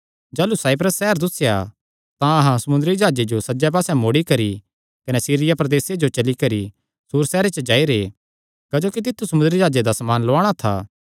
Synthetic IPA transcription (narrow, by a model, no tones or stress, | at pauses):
d͡ʒaːlusaːɪp̬ɾəsːɛɦəɾd̪ʊsja | t̪ãɐɦãsɐmʊ̃nd̪ɾid͡ʒaːd͡ʒed͡ʒosɐd͡ʒɛp̬aːsɛ̃moːɽikɐɾi | kɐnɛsiːɾɪjapɾɐd̪eːsed͡ʒot͡ʃɐlikɐɾi | suːɾsɛːɾet͡ʃəd͡ʒaːiɾeː | kɐd͡ʒoːkit̪̬ɪt̪ʰːusɐmʊnd̪ɾid͡ʒaːd͡ʒed̪asɐmaːnlʊaːɽ̃at̪ʰa̰ː